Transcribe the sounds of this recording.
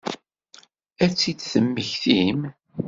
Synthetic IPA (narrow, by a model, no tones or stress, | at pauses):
æt͡sːid̪θəmːəçθim